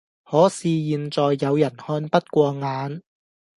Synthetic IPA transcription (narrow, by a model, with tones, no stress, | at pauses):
hɔː˨˥siː˨jiː˨˧nt͡sɔː˨jːɐ˨˧wjɐ˨˩nhɔː˧npɐ˥t̚kʷɔː˧ŋaː˨˧n